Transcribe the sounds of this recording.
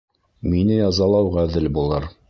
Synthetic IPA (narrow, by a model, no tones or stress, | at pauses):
minɘjɑzɑlˠɑwʁæðɘlbulˠɤɾ